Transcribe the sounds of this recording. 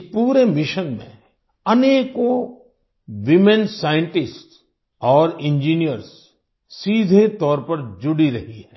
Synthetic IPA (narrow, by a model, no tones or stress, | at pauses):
puːɾemɪʃənmḛ̃ | ɐneːko | wɪmɛ̃nsaːjə̃ɳʈɪsʈs | ɔːɾɪ̃nd͡ʒiːnijəɾz | siːd̪ʱet̪ɔːɾpɐɾd͡ʒʊɽiɾɐɦiɦɛ̃ː